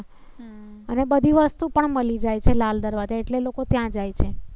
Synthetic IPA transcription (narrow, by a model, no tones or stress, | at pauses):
ənebəd̪ʱiʋəst̪upəɳməlid͡ʒajt͡ʃʰelald̪əɾʋad͡ʒaeʈlelokot̪jãd͡ʒajt͡ʃʰe